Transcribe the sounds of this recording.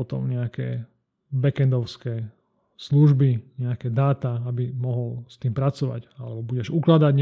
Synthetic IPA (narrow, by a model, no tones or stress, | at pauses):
ɔt̪ɔ̰mɲɛakɛː | bɛkɛnd̪ɔʊskɛː | sluʒbiɲɛakɛːd̪aːt̪aabimɔɦɔlst̪iːmpɾat͡sɔʋa̰ɟa̰lɛbɔbuɟɛʒuklad̪aɟɲ